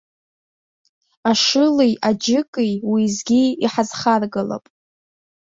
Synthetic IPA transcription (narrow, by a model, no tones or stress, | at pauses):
aʂɨlijad͡ʒɪkʼijwizɡʲiiħazχarɡala̰pʼ